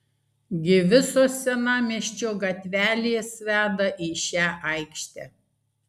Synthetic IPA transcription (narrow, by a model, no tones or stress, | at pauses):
ɡʲɪʋʲɪsoːsʲɛnɑːmʲiɛʃʲt͡ʃʲoːɡɐt̪ʲʋʲæːlʲeːsʋʲæːd̪ɐʔiːʃʲæːʔɐɪkʃʲt̪ʲɛ̰ː